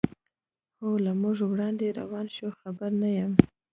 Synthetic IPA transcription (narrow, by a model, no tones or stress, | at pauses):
xolamʊʐwɽɑnd̪eɾa̰wɑnʃuxabaɾnajam